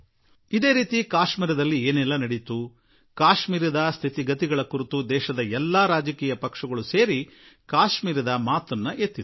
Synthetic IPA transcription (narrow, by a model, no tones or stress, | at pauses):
id̪e̞ːɾiːt̪ikaːʃmiːɾɐd̪ɐlːieːnɛlːɐnɐɽit̪u | kaːʃmiːɾɐd̪ɐst̪ʰit̪iɡɐt̪iɡɐɭɐkuɾit̪ud̪ɛːʃɐd̪ɐɛlːaːɾaːd͡ʒɐkiːjɐpɐkʂɐɡɐɭuse̞ːɾikaːʃmiːɾɐd̪ɐmaːt̪ɐnːɐʔet̪ːid̪u